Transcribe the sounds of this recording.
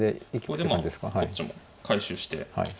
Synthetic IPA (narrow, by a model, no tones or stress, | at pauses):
d̪eikʲi̥etd̪emãnd̪e̞sɨ̥kahait͡ɕːimo | kʰaiɕɨːɕi̥t̪e̞̰ha̰i